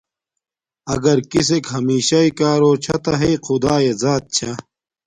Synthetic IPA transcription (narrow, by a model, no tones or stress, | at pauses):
ɐɡɐɾkis̬ekɦɐmiːɕaikaːɾoːt͡ɕʰɐt̪ɐɦeqʰʊd̪aːjezaːt̪̚t͡ɕʰɐ